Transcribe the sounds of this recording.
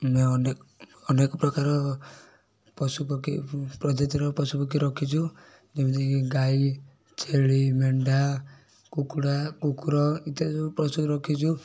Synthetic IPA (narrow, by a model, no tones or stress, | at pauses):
meneɔnekɔpɾɔkaɾɔ | pɔsupɔkipɾɔd͡ʒɔt̪iɾɔpɔsupɔk̬iɾɔkʰit͡ʃʰu | d͡ʒemit̪iiɡai | t͡ʃʰeɭimeɳɖa | kukɽakukɾɔit̪ɔsupɾɔsuɾɔkʰit͡ʃʰu